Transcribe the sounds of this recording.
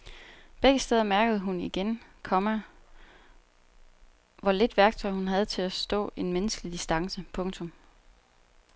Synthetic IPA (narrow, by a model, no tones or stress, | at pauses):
b̥eɡ̥əsd̥eːð̞ˠɐmæɐɡ̥əð̞̩ˠəɦuniɡ̥enkʰɒ̽mæ | ʋɒle̝d̥ʋæɐɡ̥t͡sʰɒ̽ɪ̰hunɦæð̞̩ˠt͡sʰe̝læsd̥ɔ̰̽ːe̝nmenəsɡ̥əlid̥isd̥ɑ̈ŋsəpʰɔ̽ŋt͡sʰɔ̽m